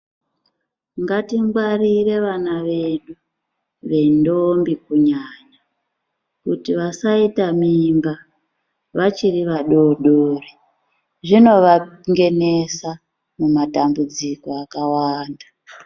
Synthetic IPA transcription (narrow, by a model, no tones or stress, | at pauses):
ŋɡatimɡwarire̞ʋanaʋe̞nɗu | ʋe̞ndombikuɲaɲa | kutiʋasaitamimba | ʋat͡ʃiriʋaɗo̞ɗori | ʐino̞ʋaŋɡe̞ne̞sa | mumatambud͡ziko̞akawaːnda